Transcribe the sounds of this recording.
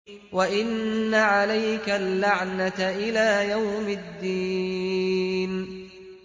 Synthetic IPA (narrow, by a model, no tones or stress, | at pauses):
waʔɪnːaʕalajkalːaʕnatʔɪlaːjawmɪd̪ːiː | n